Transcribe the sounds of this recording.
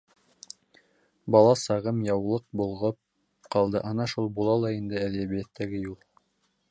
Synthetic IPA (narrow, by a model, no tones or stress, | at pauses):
bɑlˠɑsɑʁɤmjɑwlˠɤq̚bulˠʁɤp̚ | qɑlˠd̪ɤʔɑnɑʃulˠbulˠɑlˠɑind̪ɘæðæβijæt̪ʰːæɡɘjulˠ